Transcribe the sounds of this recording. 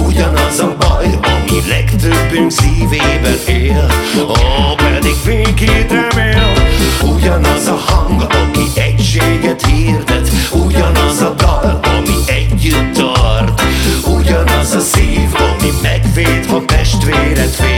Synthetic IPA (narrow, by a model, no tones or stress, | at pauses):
uɟɒnɒzɒbɒjɒmilɛɡt̪øbːynsiːveːbɛneːlɒpɛd̪iɡveːkid̪øveːluɟɒnɒzɒhɒŋɡɒmiʔɛcʃeːɡɛt̪hiːrd̪ɛt̪uɟɒnɒzɒd̪ɒlɒmiʔɛɟːyt̪ːɒrt̪uɟɒnɒzɒsiːvɒ̰mimɛɡfeːt̪ɒt̪ɛʃt̪veːɾɛt̪fe